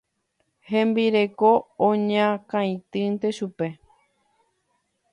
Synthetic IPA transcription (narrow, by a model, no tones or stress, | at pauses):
hẽ̞mbiɾe̞koõɲãkãj̃t̪ɨnt̪e̞ʃupe̞